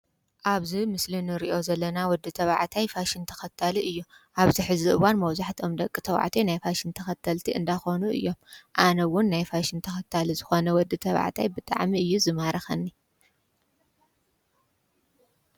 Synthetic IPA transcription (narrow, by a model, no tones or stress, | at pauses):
ʔaβzimɨslinɨɾiʔo̞zɐlːɐnawɔd̪ːɨt̪ʰɐβaʕt̪ʰajfaʃint̪ʰɐ̥xɐt̪ʰaliʔɨjːu | ʔaβziħɨziʔɨwanmɐwzaħt̪ʰio̞md̪ɐkʼːit̪ʰɐwa̰ʕt̪ʰenajfaʃɪnt̪ʰɐxɐt̪ʰːɐlt̪ʰiɨ̰nd̪axonuɨ̰jːo̞mʔanɐwʊnːajfaʃɪnt̪ʰɐxɐt̪ʰːalizɨxo̞nɐwɔd̪ːɨt̪ʰɐβa̰ʕt̪ʰa̰jbɨt̪ʼa̰ʕmiɨjːuzɨmaɾɐxɐnːi